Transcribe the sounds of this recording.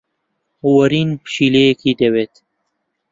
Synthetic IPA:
wɐɾinpʃilekʰid̪ewet̪

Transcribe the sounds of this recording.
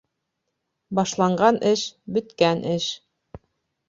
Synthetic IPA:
bɑʃlˠɑɴɢɑnʔɘʃbɵ̆t̪kænʔɘʃ

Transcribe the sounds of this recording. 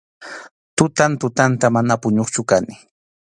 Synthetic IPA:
t̪ʊt̪ant̪ʊt̪ant̪amanapʊɲoχt͡ʃʊkanɪ

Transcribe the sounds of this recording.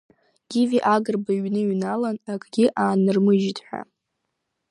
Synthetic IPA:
ɡ̥ʲiviʔaɡɨrbaiɥnɨɥnalanakʼʰɡʲiʔaːnɨrmɨʒitʰʼħʷᶣa̰

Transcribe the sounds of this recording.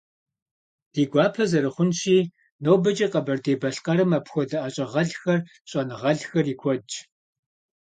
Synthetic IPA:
d̥iːɡʷɑːpʰɐzɐɾɨχʷʊnɕiː | nowbɐt͡ʃʼiqɐbɐrdeːbɐɬqɐɾɨmɐpxʷɔdɐʔɐɕʼɐʁɐɮxɐr | ɕʼɐnɨʁɐɮxɐriːkʷʰɔd͡ʒʼ

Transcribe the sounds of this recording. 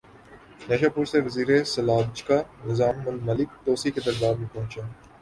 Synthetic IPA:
neːʃaːpʊɾseʋɐziːɾesɐlaːbd͡ʒkanɪzaːmːʊlmɐlɪkt̪oːsiked̪ɐɾbaːmẽpɐɦʊ̃t͡ʃaː

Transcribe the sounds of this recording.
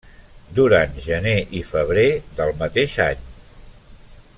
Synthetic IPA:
d̪uɾanʒəneʔifəβ̞ɾeðəlˠmət̪eʃa̰ɲ

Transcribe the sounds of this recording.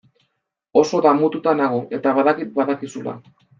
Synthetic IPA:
o̞so̞ðamut̪ut̪anaɣ̞oe̞t̪aβaðakit̪̚baðakisula̰

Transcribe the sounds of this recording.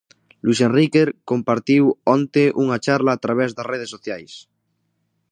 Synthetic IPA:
lwisẽnrikeɾko̞mpaɾt̪iwont̪eʔuŋat͡ʃaɾlaːt̪ɾaβ̞ezðareð̞esoθjajs

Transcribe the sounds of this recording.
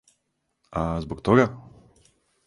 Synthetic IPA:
azbokt̪oɡa

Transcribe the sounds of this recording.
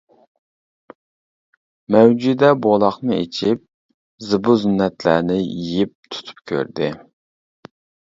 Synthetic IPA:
mɛwd͡ʒyd̪ɛbolˠɑχnɨḛt͡ʃʰip̚ | zɨbuzynːɛt̪læ̰ɾnɪjijip̚t̪ʰu̥t̪ʰu̥p̚kʲʰø̰ɾd̪ɪ

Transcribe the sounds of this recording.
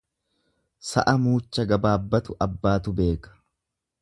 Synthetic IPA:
sɐ̰ʔɐmuːt͡ʃːɐɡɐbaːbːɐt̪ʊʔɐbːaːt̪ʊbe̞ːkɐ̥

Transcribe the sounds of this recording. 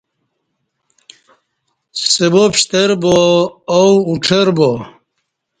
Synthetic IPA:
sebopɕt̪eɾboː | wuʈ͡ʂʰeɾbo

